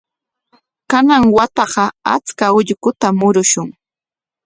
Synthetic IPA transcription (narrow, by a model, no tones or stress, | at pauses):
kanaŋwat̪ɑɢɑa̰t͡skaʊʎkʊt̪amʊɾʊʃʊŋ